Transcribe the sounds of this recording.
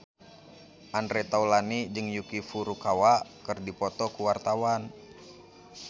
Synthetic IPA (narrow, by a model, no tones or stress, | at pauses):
ʔandɾɛt̪aulanid͡ʒɨŋjukifuɾukawakɨrdipɔt̪ɔkuwart̪awan